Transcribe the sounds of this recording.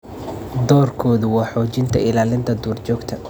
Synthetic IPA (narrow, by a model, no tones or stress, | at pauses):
d̪ɔːrkʰɔːðʊwɑːħɔːt͡ʃɪnt̪ʰɐɪlaːlɪnt̪ʰɐd̪uːrt͡ʃɔːɡt̪ʰɐ